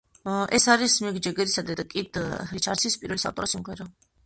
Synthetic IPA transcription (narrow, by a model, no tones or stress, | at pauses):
ʔɛsaɾismɛɡd͡ʒɛɡɛɾisad̪ɛd̪akʼid̪hɾit͡ʃʰaɾsʰispʼiɾvɛlisa̰t̪ʼɔɾasimʁɛɾa